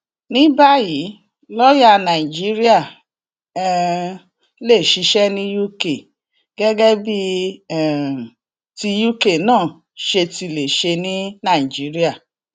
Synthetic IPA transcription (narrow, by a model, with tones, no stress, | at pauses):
nĩ˦ba˦ji˨˦ | lɔ˦ja˦nã˨i˨d͡ʒi˦ɾi˦a˦˨ | ɛ˦˧ | le˦˨ʃi˨˧˦ʃɛ˦nĩ˦ju˦ke˨ | ɡ̥ɛ˦ɡɛ˦bi˦ɛ˦˨ | ti˧ju˦ke˦˨nãː˦˨ | ʃe˧ti˧˨le˨ʃe˧nĩ˦nã˦˨i˨d͡ʒi˨˦ɾi˦a˦˨